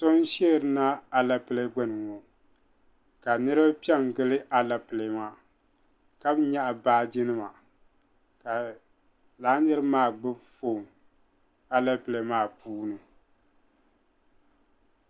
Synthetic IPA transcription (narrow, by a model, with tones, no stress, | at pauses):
to˦n˦ʃɛ˦˨ɾɨ˨˦na˦a˨la˦pɨ˨le˦ɡ͡bɛ˦nɨ˨ŋo˨ | ka˨nɨ˦ɾɨ˦ba˦pi˦ɛ˦ŋ˨ɡɨ˦lɨ˦ʔa˦la˦pɨ˨le˨ma˦ | ka˦bɲa˦ʔa˨baː˦d͡ʒɪ˦nɨ˦ma˨ | ka˨ | laː˨˦nɨ˦ɾɨ˦maː˦˨ɡ͡bɨ˦fo˨ŋ | a˨la˦pɨ˨le˨maː˦˨puː˦nɨ˨